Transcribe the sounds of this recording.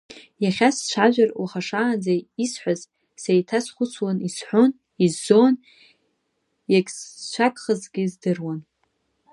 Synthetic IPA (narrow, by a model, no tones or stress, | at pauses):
jaχʲasʃʷʰaʒʷᶣarwaχaʂaːnd͡zaisħʷaz | sejtʰasχʷʊt͡sʰwanisħʷʊn | izːon | jakʲʼsʃʷakʼχəzɡʲɪzdɨrwan